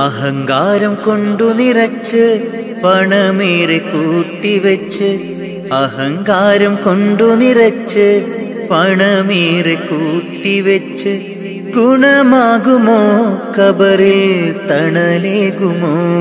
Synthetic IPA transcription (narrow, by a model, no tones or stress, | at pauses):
ɐɦɐŋɡaːɾɐmkoɳɖunirɐt͡ɕːɨ | pɐɳɐmeːɾekuːʈːiʋɐt͡ɕːɨ | ɐhɐŋɡaːɾɐmkoɳɖunirɐt͡ɕːɨ | pɐɳɐmieːrekuːʈːiʋɐt͡ɕːɨ | ɡuɳɐmaːɣumokɐbɐrilt̪ɐɳɐleːɣumo